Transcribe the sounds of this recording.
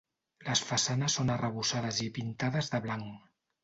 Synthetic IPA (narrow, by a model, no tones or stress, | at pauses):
ləsfəsanəsːonərəβ̞usað̞əzipint̪aðəzðəβlaŋ